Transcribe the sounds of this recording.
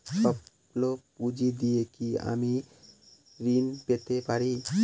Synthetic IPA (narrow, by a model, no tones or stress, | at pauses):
ʃɔ | lopud͡ʑid̪ijekia̰mi | ɾinpet̪epaɾi